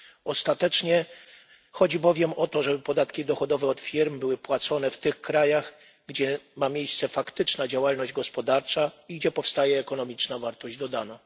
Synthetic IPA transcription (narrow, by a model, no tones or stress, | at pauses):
ɔst̪at̪ɛt͡ʂɲɛ | xɔd͡ʑibɔvʲjɛmɔt̪ɔʐɛbɘpɔd̪at̪kʲid̪ɔxɔd̪ɔvɛɔt̪fʲiɾmbɘwɘpwat̪sɔnɛft̪ɘxkɾajaɣ | ɡd͡ʑɛmamʲjejst̪sɛfakt̪ɘt͡ʂnad͡ʑawalnɔʑd͡ʑɡɔspɔd̪aɾt͡ʂaiɡd͡ʑɛpɔfst̪ajɛːkɔnɔmʲit͡ʂnavaɾt̪ɔʑd͡ʑd̪ɔd̪ana